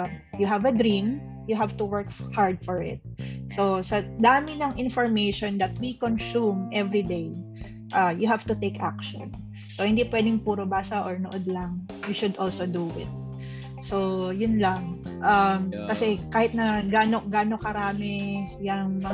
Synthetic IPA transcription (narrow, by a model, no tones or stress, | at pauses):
jʊɦavɐd̪ɾĩmjʊɦavt̪ʊwɛɹkhaɹd̪̚fɔɹɪ̰t̪̚sosɐd̪aːmɪnɐŋʔɪnfɔɹmejʃond̪ɐt̪̚wikonsumʔɛvɹid̪ej | ʔajʊɦav̥t̪ʊt̪ejkʔa̰k̚ʃo̰n | sohɪnd̪ipwɛd̪ɪŋpuːɾobaːsɐʔoɹnoʔod̪̚lɐŋwiʃʊd̪ʔolsod̪uʔɪ̰t̪̚ | sojʊnlɐŋʔamkɐsɛkaːhɪt̪̚nɐɡaːnoɡaːno̞kɐɾaːmɪjɐŋmɐ